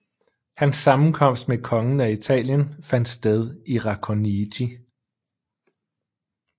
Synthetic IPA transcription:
hænsːɑ̈mn̩kʰɒ̽m̰sd̥mekʰɒ̽ŋn̩æit͡sʰɛ̰ːljənfæn̰d̥sd̥eð̞ˠiʁɑ̈kʰonidʰi

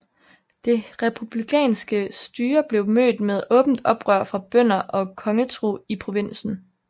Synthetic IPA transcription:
d̥e̝ʁɛpʰub̥likʰɛ̰ːnsɡ̥əsd̥yːɐb̥le̝ʊmø̰ːd̥með̞ˠɔ̽ːb̥n̩d̥ɒ̽b̥ʁɶɐ̰fʁɑ̈b̥œn̰ɐʔɒ̽kʰɒ̽ŋət͡sʰʁo̝̰ːipʰʁo̝ʋe̝n̰sn̩

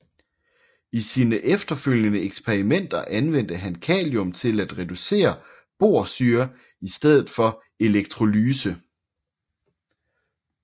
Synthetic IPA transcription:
isiːnəʔefd̥ɐføl̰jənəeɡ̥sb̥ʰeʁimen̰d̥ɐʔænʋen̰d̥əɦænkʰɛ̰ːljɔmt͡sʰe̝læd̥ʁɛd̥use̝̰ːɐ | b̥o̝̰ːɐ̰syːɐ | isd̥eð̞ˠð̩ˠfɒ̽ | e̝leɡ̥̚t͡sʰʁo̝lyːsə

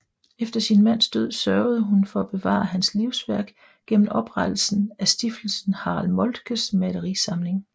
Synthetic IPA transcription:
efd̥ɐsinmæn̰sd̥øð̞̰ˠsɶɐʊð̞ˠəɦunfɒ̽æb̥e̝ʋɑ̰̈ːɦænsliʊsʋæɐ̰ɡ̥ | ɡ̥en̰m̩ɒ̽b̥ʁad̥l̩sn̩æsd̥ifd̥l̩sn̩hɑ̈ːlmɔ̽ld̥ɡ̥əsmæləʁisɑ̈mle̝ŋ

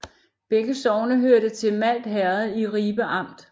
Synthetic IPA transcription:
b̥eɡ̥əsɒʊnəɦøɐɾət͡sʰe̝lmæl̰d̥ɦæɐð̩ˠiʁiːb̥əʔɑ̈m̰d̥

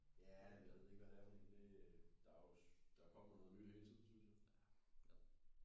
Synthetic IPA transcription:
jæʋiʋeð̞̰ˠe̝ɡ̥ʋædæfɒd̥ḭːnd̥e̝d̥ɑ̈jo̝d̥ɑ̈kʰɒ̽m̰ɐnɔ̽ðˠnyd̥heːt͡sʰið̰̩ˠsynsjɑ

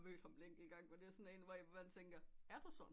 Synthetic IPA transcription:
mø̰ːd̥hɑ̈mleŋ̰ɡ̥iɡ̥ɑ̈ŋ̰ʋɒd̥e̝æɐsɒ̽ne̝ːnʋɒʋmænt͡sʰeŋɡ̥ɐæɐd̥usɒ̽n

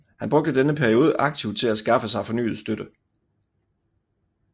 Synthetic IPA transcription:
hænb̥ʁɔ̽ɡ̥̚d̥əd̥enəpʰæɐio̝ːð̞ˠəʔɑ̈ɡ̥̚t͡sʰiʊd̥̚t͡sʰe̝læsɡ̥ɑ̈fəsɑ̈ɪfɒ̽ny̰ːð̩ˠsd̥ød̥ə

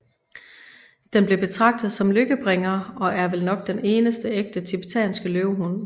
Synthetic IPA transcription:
d̥enb̥le̝b̥e̝t͡sʰʁɑ̈ɡ̥̚d̥ð̞̩ˠsɒ̽mløɡ̥əb̥ʁeŋɐɒ̽ʔæɐʋelnɒ̽ɡ̥d̥ene̝ːnəsd̥əeɡ̥̚d̥ət͡sʰib̥et͡sʰɛ̰ːnsɡ̥əløʊɦun

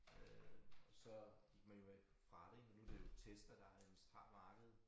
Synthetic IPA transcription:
øɒsɒ̽ɡ̥iɡ̥̚mænjo̝e | fʁɑ̈ɾ̥e̝mnːud̥e̝jo̝t͡sʰesd̥ɐd̥ɑ̈emsd̥ʁɑ̰̥̈ːmɑ̈ːɡ̥əð̩ˠ

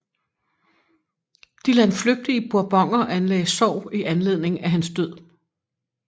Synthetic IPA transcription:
d̥ilænfløɡ̥̚d̥iəb̥uɐb̥ɒ̽ŋ̰ɐʔænlɛ̰ːɪsɒʊ̰iʔænle̝ð̰ˠne̝ŋæɦænsd̥øð̰ˠ

